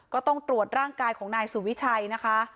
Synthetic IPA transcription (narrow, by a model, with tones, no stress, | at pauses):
kɔː˥˩t̪ɔ˥˩ŋt̪ɾu˨˩ət̪̚ɾaː˥˩ŋkaː˧jkʰɔː˩˦ŋnaː˧jsu˨˩wi˦˥t͡ɕʰa˧jna˦˥kʰa˦˥